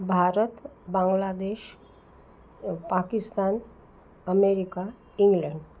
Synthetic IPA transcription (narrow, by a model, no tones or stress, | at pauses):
bʱaɾət̪bãŋɡlad̪eʃ | pakist̪an | əmeɾika | iŋɡlə̃ɳɖ